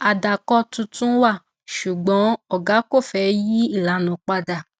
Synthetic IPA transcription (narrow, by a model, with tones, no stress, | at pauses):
a˨da˨kɔ˧˦tũ˧tũ˦wa˦˨ | ʃu˨ɡ͡bɔ̃˨˦ɔ˨ɡa˨˦ko˦˨fɛ˨˦ji˦i˦˨la˨˦nɔ̃˨˦k͡pa˧da˨